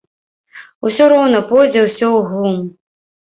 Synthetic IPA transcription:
usʲɔɾɔwnɐpɔjd͡zʲɛwsʲɔwɣlˠum

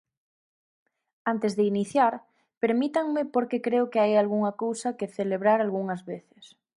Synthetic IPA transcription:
ant̪ezðeiniθjaɾ | peɾmit̪aŋmɪpoɾkekɾeʊkeajalɣuŋɐkowsɐkeθeleβɾaɾalɣuŋɐzβeθɪ̥s

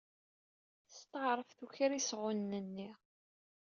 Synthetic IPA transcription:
st̪əʕɾˤəfθuçəɾisʁʊnːənːi

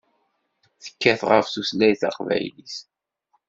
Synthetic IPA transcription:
θə̥kːæθʁə̰fθuslæjθɑ̰qvæ̰jlis

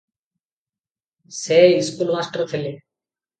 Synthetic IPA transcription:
seːilskuːlmaːsʈəɾt̪ʰelːi

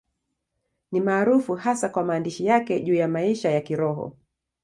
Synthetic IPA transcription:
nimaːɾufuhasakwamaːndiʃijakɛʄuːjamaiʃajakiɾɔɦɔ̰

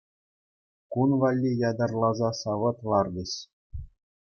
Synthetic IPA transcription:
kunʋɑlʲːijɑd̪ɑrlˠɑzɑsɑʋɤ̆t̪lˠɑrd̪ɘ̆ɕ

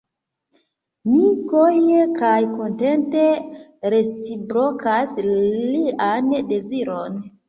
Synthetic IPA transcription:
mikojekajko̞nte̞nte̞ɾet͡sibɾokasliande̞ziɾo̞n

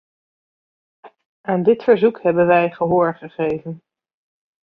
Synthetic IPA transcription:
aːndɪtfəɹzukɦɛbənʋɛjχəɦʊːɹχəχejvən

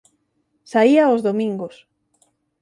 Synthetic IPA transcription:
saiaozðomĩŋɡos

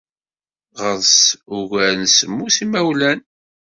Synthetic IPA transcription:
ʁəðˤsuʝæɾnsəmːuθimæwlæn

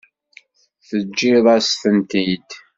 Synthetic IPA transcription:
θəd͡ʒːɪðˤæsθənt̪id̪

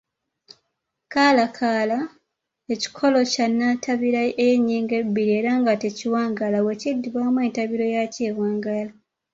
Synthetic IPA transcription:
kaːlakʰaːla | eci̥kʰo̞lo̞canːatʰaβiɾaejeɲːiːŋɡebːiɾie̞ːɾaŋɡateciwaːŋɡalawecidːiβaːmwe̞ːntaβiɾo̞jaceːβwaːŋɡala

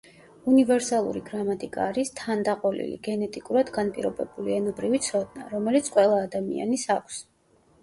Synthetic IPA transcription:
univɛɾsalˠṵɾiɡɾamat̪ʼikʼa̰ːɾist̪ʰand̪aqʼɔlḭlḭɡɛnɛt̪ʼikʼuɾad̪ɡanpʼiɾɔbɛbuliɛnɔbɾivit̪sʰɔd̪naɾɔmɛlit̪sʰqʼwɛlˠaːd̪amḭa̰nisakʷʰs

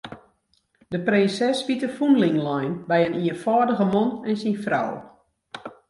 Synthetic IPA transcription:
dəprɪnsɛsʋitəfunlɪŋlɔjnbɛjəniənfɔːdəɣəmɔnɛnsinfrɔ̰w

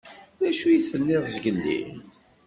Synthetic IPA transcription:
ðæʃujiθənːɪʁzɡənːḭ

